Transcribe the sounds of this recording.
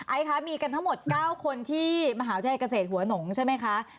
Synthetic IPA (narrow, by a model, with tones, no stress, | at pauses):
ʔa˨˥jkʰa˦˥miː˧ka˧nt̪ʰa˦˥ŋmo˨˩t̪̚kaː˥˩wkʰo˧nt̪ʰiː˥˩maː˧ɦaː˩˦˩ka˧s̬eː˨˩t̪̚hu˩˦ɐ˦no˩˦ŋt͡ɕʰa˥˩jma˦˥jkʰa˦˥ʔ